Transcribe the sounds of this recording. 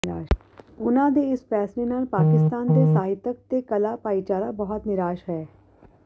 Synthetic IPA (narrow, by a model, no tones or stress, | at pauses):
ɾaːʃ | ʊnãd̪eɪspɛːsɾenaːlpaːkɪst̪aːnt̪esaːɦɪt̪ək̚t̪ekɐlapaːit͡ʃaːɾabɐɦɔt̪nɪɾaːʃɦɛː